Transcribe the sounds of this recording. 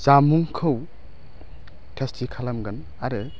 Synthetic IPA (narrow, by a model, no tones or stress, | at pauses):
zamuŋkʰɯw | tʰestikʰalɐmɡɐn | aɾɯ